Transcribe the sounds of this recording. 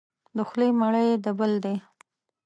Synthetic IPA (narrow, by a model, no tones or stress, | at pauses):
d̪əxlejmaɽəjd̪əbəld̪e